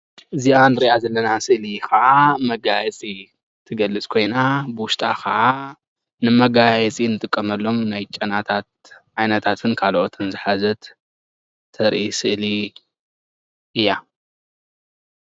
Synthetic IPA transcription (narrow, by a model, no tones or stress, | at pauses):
ʔɨziʔanɨɾiʔazɐlːɐnasɨʔlikɐʔamɐɡajɛt͡sʼi | t̪ʰɨɡɐlːɨt͡sʼkʰo̞jnabɨwʊʃt̪ʼa̰xʰɐʔa | nɨmɐɡajɛt͡sʼinɨt̪ʼɨkʼːɐmɐlːo̞mnajt͡ʃʼɐnat̪ʰat̪̚ | ʕajnɐt̪ʰat̪ʰɨnkʰalʔot̪ʰɨnzɨħazɐt̪ʰ | ɐɾʔisɨʔli | ʔɨjːa